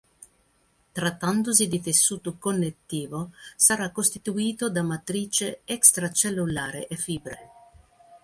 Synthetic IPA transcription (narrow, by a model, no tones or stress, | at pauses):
t̪ɾat̪ːand̪os̬id̪it̪esːuːt̪okonːet̪ːiːvosaɾakːost̪it̪uiːt̪od̪amat̪ɾiːt͡ʃeɛkst̪ɾat͡ʃelːulaːɾḛʔefiːbɾe